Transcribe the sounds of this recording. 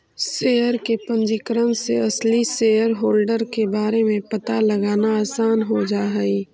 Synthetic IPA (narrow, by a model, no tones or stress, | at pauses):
seːjəɾkepə̃ɲd͡ʒikəɾənsḛɐsliseːjəɾɦoːlɖəɾkebaːɾemẽpɐt̪alɐɡaːnaaːsaːnɦod͡ʒaːɦɛiː